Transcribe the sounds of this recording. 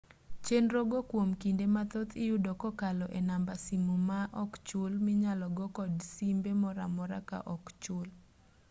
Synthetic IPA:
t͡ʃenɾoɡokwomkindemat̪ɔt̪ʰɪjudɔkɔkalɔʔenambasimumaʔɔkt͡ʃʊlmɪɲalɔɡɔkɔdsimbemɔɾa̰mɔɾa̰ka̰ʔɔkt͡ʃʊl

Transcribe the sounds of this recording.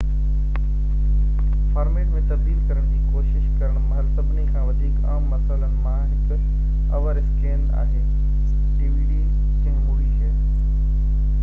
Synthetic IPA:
faːɾmeːʈmẽt̪ɐb̚d̪iːlkɐɾəɽ̃d͡ʑiːkoːʃɪʃkɐɾəɽ̃mɐɦlsɐbnikʰãːʋɐd̪ʱiːkaːmːɐsəlamaːɦɪk | ɐʋəɾɪskẽːna̰ːɦeː | ʈiːʋiːɖiː | d͡ʑɐ̃ɦmuːɾiɦe

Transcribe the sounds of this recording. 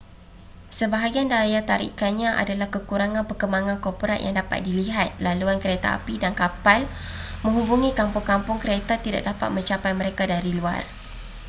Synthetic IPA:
səbaɦaɡiandajat̪aɾḭkanɲãʔa̰dalahkəkuɾaŋãnpərkəmbaŋãnkɔrpoɾa̰ʔjʔa̰ŋdapa̰t̪̚diliɦat̪̚laluankəɾet̪a̰a̰pidankapal | mə̃ŋɦubuŋĩkampʊŋkampʊŋkəɾet̪at̪ida̰ʔ̚dapa̰t̪̚mə̃ɲt͡ʃapajmə̃ɾekadaɾilua̰r

